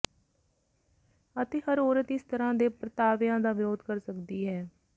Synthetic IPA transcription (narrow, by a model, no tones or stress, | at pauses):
ət̪eːɦəɾoːɾət̪ɪst̪əɾãːd̪eːpɾət̪aːʋɪjãːd̪aːʋɪɾoːd̪kəɾsəkd̪iːɦɛː